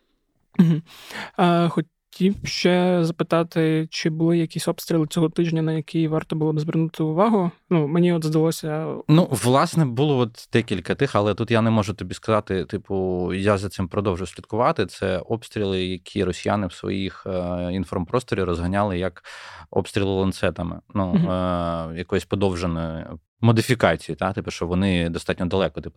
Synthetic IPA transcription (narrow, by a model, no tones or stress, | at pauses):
m̩ɦm̩ | xɔ | tʲʰiwʃt͡ʃɛzɐpɪt̪ɑt̪ɪt͡ʃɪbʊlˠɪjɐkʲisʲɔpst̪ɾʲilˠɪt͡sʲɔɦɔt̪ɪʒnʲɐnɐjɐkɪjʋɑrt̪ɔbʊlˠɔbzʋɪrnut̪ɪʊʋɑɦʊnumenʲiɔd̪zd̪ɐlˠɔsʲɐnuʋlˠɑsnɛbulˠɔɔt̪d̪̥ɛkʲilʲkɐt̪ɪxɐlˠɛt̪ut̪janɛmɔʒʊt̪ɔbʲiskɐzɑt̪ɪt̪ɪpʊjazɐt̪sɪmpɾɔd̪ɔwʒʊsʲlʲid̪kʊʋɑt̪ɪt̪sɛɔpst̪ɾʲilˠɪjɐkʲʰiɾɔsʲija̰nɪwsʋɔ̰jixinfɔrmpɾɔst̪ɔɾʲirɔzɦɐnʲalˠɪjɐkɔ̰pst̪ɾʲilˠɪlˠɐnt̪sɛt̪ɐmɪ̰nu | jɐkɔjɔsʲpɔd̪ɔwʒenɔjʊ | mɔd̪ɪfʲikɑt͡sʲijit̪at̪ɪpʊʃt͡ʃɔʋɔnɪd̪ɔst̪ɑtʲnʲɔd̪ɐlˠɛkɔt̪ɪp